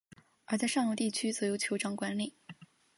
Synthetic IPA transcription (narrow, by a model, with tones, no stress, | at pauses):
ə˞˧˥t͡sa˥˧ɪʂɑ˥˧ŋlu˥˧t̪i˥˩t͡ɕʰy˥t͡sɤ˧˥jo˧˥ʊt͡ɕʰjo˧˥ʊʈ͡ʂɑ˥ŋkwa˧˥nli˨˩˦